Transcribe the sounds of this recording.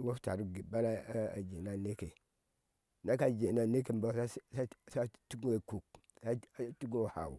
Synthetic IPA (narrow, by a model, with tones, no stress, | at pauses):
wo˦fta˨ɾu˦ɡi˨ba˦la˦a̰˨d͡ʒe˨na˦ne˦ke˨ | na˦ka˦d͡ʒe˨na˨ne˦k̬e˨m˨ba˦sa˦sa˦sa˦tu˦ɡe˨ku˨k̚ | sa˦a˨˦tu˦ɡo˦˨ha̰˨wṵ˨